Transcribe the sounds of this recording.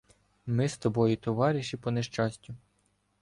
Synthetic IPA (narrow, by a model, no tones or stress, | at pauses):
mɪst̪ɔbɔjit̪ɔʋɑɾʲiʃipɔneʃt͡ʃɑsʲtʲʊ